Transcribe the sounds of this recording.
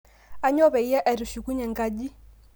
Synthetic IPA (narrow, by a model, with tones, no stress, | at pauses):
a˦ɲɔ˦βɛ˨i˦jɛ˦ʔɛ˨ɾu˨ʃi˨ku˦ɲɛ˨ŋɡa˦ʄi˦